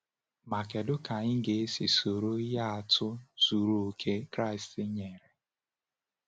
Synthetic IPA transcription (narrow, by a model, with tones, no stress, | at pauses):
ma˨ke˨dʊ˦ka˨ɲɪ˦ɡe˨˦si˨so˨ɾo˦i˦ja˦a˨tʰʊ˦su˨ɾu˨o˨kʰe˦kɾa˦ɪ˨stɪ˦ɲe˨ɾe˨